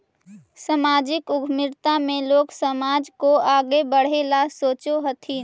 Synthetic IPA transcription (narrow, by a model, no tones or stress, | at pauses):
səmaːd͡ʒɪkʊɡʱmɪɾt̪amẽloːksəmaːd͡ʒkoaːɡebəɽ̤elasoːt͡ʃoɦət̪ʰi